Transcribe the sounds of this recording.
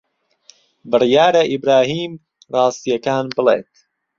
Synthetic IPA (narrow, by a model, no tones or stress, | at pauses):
bɨrjaːɾɐʔibɾaːɦiːm | rɑːst̪ijɐkaːnbɨlḛːt̪̚